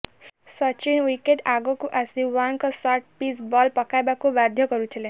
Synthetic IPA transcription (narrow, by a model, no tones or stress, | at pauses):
sɔt͡ʃinwikeʈaɡɔkuʔasiwaŋkɔsɔɾʈpisbɔlpɔkajbakubad̪ʱjɔkɔɾut̪ʰile